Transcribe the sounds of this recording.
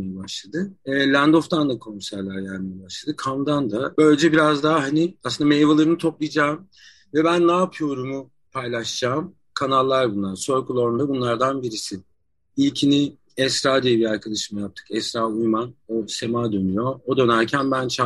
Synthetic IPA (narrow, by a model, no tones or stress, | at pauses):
ejɛbaʃlˠad̪ɯlʲænd̪o̞ft̪ʰand̪akʰo̞nsæɾlʲæɾjæɾmejɛbaʃlˠad̪ɯkʰamd̪and̪abø̞lʲed͡ʒɛbiɾazd̪aɦaɦaniasɯnd̪amejvalˠaɾɯnɯt̪ʰo̞plˠɯjd͡ʒaːm | vɛbænːaːpʰɯjo̞ɾumu | pʰajlʲˠaʃd͡ʒaːm | kʰanalˠːaɾbunlˠaɾsøɾkʰulˠo̞ɾnd̪abunlˠaɾd̪anbiɾisi | ilʲcʰini | ɛsɾaːd̪ijɛbiɾaɾkʰad̪aʃɯmajap̚t̪ʰɯ̥kɛst̪ɾaːujmanose̞maːd̪ø̞nyjo̞od̪ø̞næɾcʰænbænt͡ʃʰa